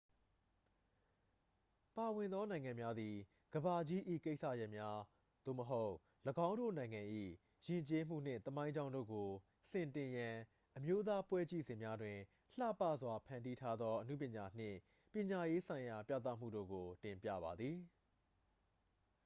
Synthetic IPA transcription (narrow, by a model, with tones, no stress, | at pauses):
pa˨wɪ̃˨nd̪ɔ˦nã˨ɪ̃ŋã˨mja˦d̪i˨ | ɡ̥əba˨d͡ʑi˦ʔḭ˦˨ke˦ɪʔsa̰˦˨jɛ˦ʔmja˦ | d̪̥o̰˦˨məɦo˦ʊʔ | ləɡã˦ʊ̃ndo̰˦˨nã˨ɪ̃ŋã˨ʔḭ˦˨ | jɪ̃˨ɲt͡ɕe˦m̥ṵ˦˨n̥ɪ̰̃˦˨t̪əmã˦ɪ̃ɲd͡ʑã˦ʊ̃ndo̰˦˨ɡo˨ | sɪ̃˨ntɪ̃˨jã˨ | ʔəmjo˦t̪̬a˦pwɛ˦t͡ɕḭ˦˨zɪ̃˨mja˦dwɪ̃˨ | l̥ä̰˦˨pa̰˦˨zwa˨pʰã˨ndi˦tʰa˦d̪ðɔ˦ʔənṵ˦˨pjɪ̃˨ɲa˨n̥ɪ̰̃˦˨ | pjɪ̃˨ɲa˨je˦sʰã˨ɪ̃ja˨pja̰˦˨t̪a̰˦˨m̥ṵ˦˨do̰˦˨ɡo˨tɪ̃˨mpjä̰˦˨βa˨d̪ði˨